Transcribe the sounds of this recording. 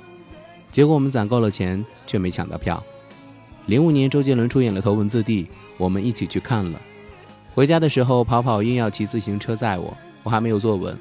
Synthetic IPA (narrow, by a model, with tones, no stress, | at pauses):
t͡ɕjɛ˧˥kwɔ˧˥wɔ˨˩mə˦nt͡sa˨˩ŋko˥˩ʊlə˩t͡ɕʰjɛ˧˥n | t͡ɕʰɥɛ˥˩me˧˥ɪɕjɑ̰˨˩ŋt̪ɑ̰˥˩ʊpʰjɑ̰˥˩ʊ | li˧˥ŋu˨˩njɛ˧˥nʈ͡ʂo˥ʊt͡ɕjɛ˥nlwə˧˥nʈ͡ʂʰu˥jɛ˨˩nlə˦t̪ʰo˧˥ʊwə˧˥nt͡sɹ̩˥˧t̪i˥˩ | wɔ˨˩mə˦ni˥˩t͡ɕʰi˨˩t͡ɕʰy˥˧kʰa˥˩nlə̰˩ | xwe˧˥ɪt͡ɕja˥d̪ə˨ʂɻ̩˧˥xo˧ʊpʰɑ˧˥ʊpʰɑ˨˩ʊi˥˧ŋjɑ˥˩ʊt͡ɕʰi˧˥t͡sɹ̩˥˩ɕi˧˥ŋʈ͡ʂʰɤ˥t͡sa˥˩ɪwɔ̰˨˩˦ | wɔ˨˧˩xm˧˥jo˨˩ʊt͡swɔ˥˩wə̰˧˥n